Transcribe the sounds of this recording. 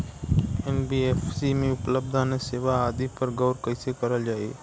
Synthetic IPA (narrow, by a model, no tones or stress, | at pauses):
embiefsimẽʊpləb̚d̪ʱaneseːʋaːd̪ipəɾɡəʊɾkəɪsekəɾəld͡ʒaːe